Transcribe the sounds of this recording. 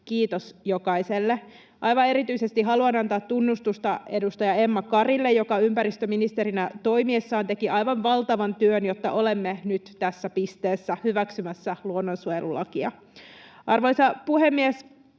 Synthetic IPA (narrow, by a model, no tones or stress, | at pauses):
kiːt̪osjo̞kɑjselːe | ʔɑjʋɑe̞ɾit̪yise̞st̪iɦɑluɑnɑnt̪ɑːt̪ːunːust̪ust̪ɑe̞dust̪ɑjɑe̞mːɑkɑrilːe̞jjo̞kɑympæɾist̪øminist̪eɾinæt̪o̞imiesːɑːnt̪e̞kiʔɑjʋɑnʋɑlt̪ɑʋɑnt̪yønjo̞t̪ːɑʔo̞le̞mːenyt̪t̪æsːæpist̪e̞ːsːæhyʋæksymæsːæluonːonsuojelulɑkiɑ̰ | ʔɑrʋoisɑpuhe̞mːies